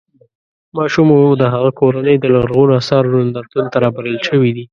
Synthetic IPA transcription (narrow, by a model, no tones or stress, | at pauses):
mɑʃumod̪əɦaɣakoɾanəjd̪əlaɾɣunasɑɾwand̪at̪unt̪aɾɑbaɾəlʃəwid̪i